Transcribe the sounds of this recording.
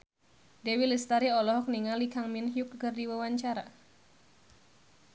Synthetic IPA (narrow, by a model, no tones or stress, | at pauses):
dewilist̪aɾiɔlɔɦɔk̚niŋalikaŋminɦijuk̚kɨrdiwawaɲt͡ʃaɾa̰